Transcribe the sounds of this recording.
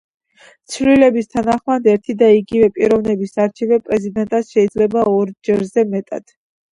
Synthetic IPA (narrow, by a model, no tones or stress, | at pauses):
t̪sʰvlilɛbist̪ʰanaχmad̪ɛɾt̪ʰid̪aiɡivɛpʼiɾɔvnɛbisaɾt͡ʃʰivɛpʼɾɛzid̪ɛnt̪ʼasʃɛid̪zlɛbaɔɾd͡ʒɛɾzɛmɛt̪ʼa̰d̪̥